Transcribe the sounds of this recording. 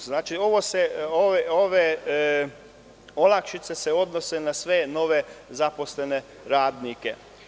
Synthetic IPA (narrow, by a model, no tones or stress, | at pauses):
znaːt͡ʃio̞ʋoseoʋeoʋe | olˠakʃit̪se̞seo̞d̪nose̞nasʋe̞no̞ʋe̞zapo̞sle̞ne̞ | ɾaːd̪nikḛ